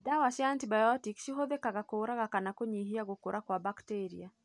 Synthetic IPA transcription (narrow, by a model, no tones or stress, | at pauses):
dawasɪantibajɔtikʃiɦoðekaɣakoːɾaɣakanakoɲiɦiaɣokoɾʔakwabakteɾḭa